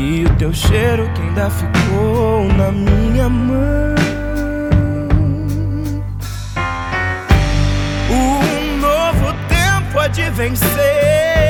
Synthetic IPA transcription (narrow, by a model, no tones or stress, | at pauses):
ɪʊt̪ewʃejɾʊkẽĩd̪afikownɐmĩɲɐmɐ̃ | u | novʊt̪ẽmpʊad͡ʒɪvẽse